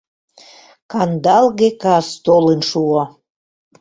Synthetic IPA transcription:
kɑnd̪ɑlɣekɑst̪olenʃuo

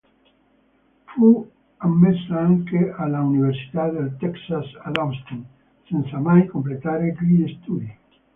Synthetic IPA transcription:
fu | amːesaŋkealauniβeɾsi̥t̪aðelt̪ɛksasaðɔst̪oŋ | senθamajkomplet̪aɾekɾiest̪uði

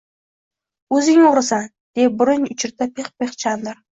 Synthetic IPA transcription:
ɵzɪŋoɾɪsan | d̪̥ebʊɾɪnʊt͡ʃʰɪɾt̪ʰapʰeχpeχt͡ʃʰand̪ɪɾ

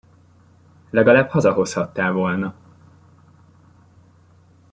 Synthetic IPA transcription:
lɛɡɒlaːbhɒzɒɦo̞shɒt̪ːaːlvo̞lnɒ

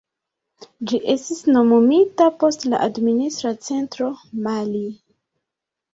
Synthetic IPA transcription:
d͡ʒiʔe̞stisno̞momitapo̞stla̰ʔadministɾat͡se̞ntɾo̞mali

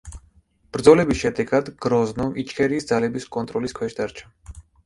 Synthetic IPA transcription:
b̥ɾd̪zɔlɛbisʃɛd̪ɛɡad̪ɡ̥ɾɔznɔmʔit͡ʃʰkʰʼɛɾiːsd̪zalɛbiskʼɔnt̪ʼɾɔliskʰwɛʃd̪aɾt͡ʃʰa

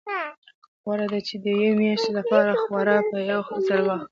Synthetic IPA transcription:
ɣwaɾad̪at͡ʃed̪əjemjɑʃt̪lapɑɾaxwaɾapəjawxzaɽwax

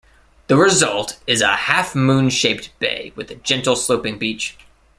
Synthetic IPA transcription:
ðɨɹɨzʌlˠtɨzə̰hæfmũnʃeɪp̚t̚b̥ḛɪwɨðɨd͡ʒɛ̃ntˡl̩ˠsloʊpɪ̃ŋbit͡ʃ

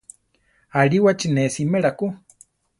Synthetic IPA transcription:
aɺiwat͡ʃinesimeɺaku

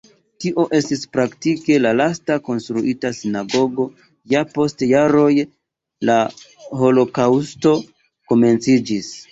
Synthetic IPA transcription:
tiʔo̞ʔe̞stispɾaktike̞lalastako̞nstɾuʔitasinaɡo̞ɡo̞ | japo̞stjaɾo̞j | la | ho̞lo̞kawsto̞ | ko̞me̞nt͡sid͡ʒis

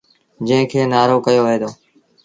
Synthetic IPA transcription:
d͡ʒə̃ɦɪ̃kʰeːnaːɾoːkəjoːʋəɦeːd̪oː

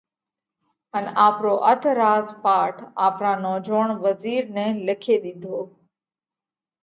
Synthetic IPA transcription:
ənaːpɾoʔət̪ʰɾaːzpaːʈʰaːpɾaːnɔːd͡ʒoːɳ̃ʋəziːɾnɛ̃lɪkʰeɗ̪ɪnd̪ʱoː

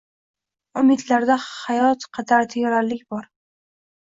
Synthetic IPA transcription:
ʊmɪd̪laɾd̪ahajɒt̪qʰɑd̪ʰaɾt̪ʰejaɾaɾlːɪkʲbɒɾ

